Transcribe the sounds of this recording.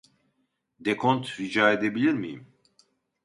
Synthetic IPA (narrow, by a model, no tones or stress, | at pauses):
d̪ekʰont̪ɾid͡ʒaːe̞d̪e̞bilʲiɾmijḭm